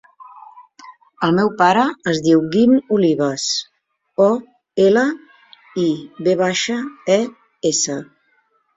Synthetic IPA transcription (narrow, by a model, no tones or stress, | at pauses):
əlˠmɛwpaɾəːzðiwɡimuliβəs | ɔ | elə | iβeβaʃəɛ | esə